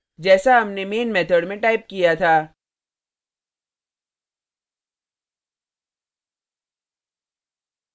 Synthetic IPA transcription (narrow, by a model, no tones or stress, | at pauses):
d͡ʒɛːsaɦɐmnemeːnmɛːt̪ʰəɖmẽʈaːɪp̚kijat̪ʰaː